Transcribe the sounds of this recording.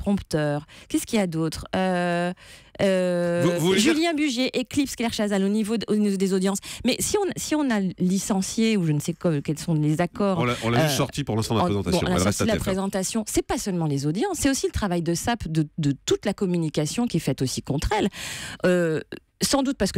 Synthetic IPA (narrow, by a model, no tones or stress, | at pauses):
pχɔ̃pt̪œːʁkʲɛskʲiljad̪ot̪χø | ø | uʒyljɛ̃byʒjeʔeklipskɛlɛʁʃazalonivoonivod̪ezod̪jɑ̃smɛsiɔ̃nsiɔ̃nalisɑ̃sjeuʒənsɛkkɛlsɔ̃lezakɔːʁ̃laɔ̃laysɔʁt̪ipuʁlɛ̃st̪ɑ̃d̪l̃ezɑ̃t̪aslasd̪lapχezɑ̃t̪asjɔ̃ːɛpasœlmɑ̃lezod̪jɑ̃sːɛosilət̪χavajd̪əsapd̪əd̪ət̪ut̪lakɔmynikasjɔ̃kʲiɛfɛt̪osikɔ̃t̪χɛlø | sɑ̃d̪ut̪̚paʁsə̥kə